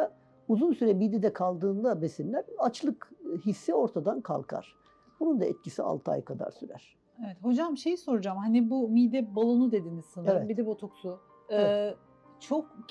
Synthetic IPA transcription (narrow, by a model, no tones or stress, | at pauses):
a | uzunsyɾɛmid̪ɛd̪ɛkʰalˠd̪ɯːnd̪abesinlʲæɾat͡ʃlˠɯkhisːio̞ɾt̪ʰad̪ankʰa̰lˠkʰa̰ɾ̥ | b̥unund̪aɛt̪̚cisia̰lˠt̪ʰɯa̰jkʰad̪a̰ɾsyɾæ̰ɾ̥ | evɛt̪ho̞d͡ʒamʃe̞jiso̞ɾud͡ʒamhanibumiːd̪ɛbalˠonud̪e̞d̪inizsɯnavɛbid̪ɛbot̪ʰoksu | t͡ʃʰok̚